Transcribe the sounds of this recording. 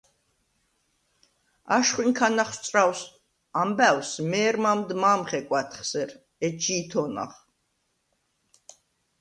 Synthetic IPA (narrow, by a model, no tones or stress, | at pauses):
aʃχwiŋkʰanaχst̪sʼɾaws | ambæwsmɛːɾmamd̪maːmχɛkʼwat̪ʰχsɛɾ | ɛt͡ʃʰiːt̪ʰɔna̰χ